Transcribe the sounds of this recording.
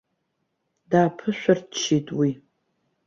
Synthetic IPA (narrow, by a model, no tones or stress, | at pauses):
daːpʰɨɕʷɔrtʃiːtʼwi